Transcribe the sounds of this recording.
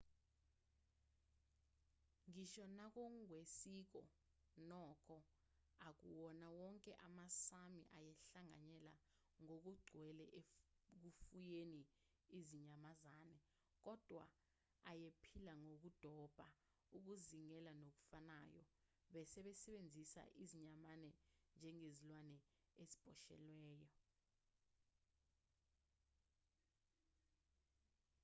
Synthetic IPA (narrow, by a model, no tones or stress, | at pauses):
ŋiʃɔnak̬oŋwesik̬ɔ̰ | nɔk̬ʰʼɔ | ak̬uwɔnawɔŋkʼɛʔamasamiʔajɛɬaŋa̰ɲɛla̰ | ŋok̬uɡ͡ǀʱwɛlɛʔe | k̬ufujeni | iziɲamazaːnɛ | k̬ʼɔd̥ʱwa̰ː | jepʰilaŋok̬ud̥ʱɔb̥ʱa | uk̬uziŋɛlanok̬u̥fanaːjɔ̰ | ɓɛsɛɓɛsɛɓend͡zʱisa̰ʔiziɲamanɛnd͡ʒʱɛŋezilwanɛ | ezi̥b̥ʱɔʃɛ̰lwɛːjɔ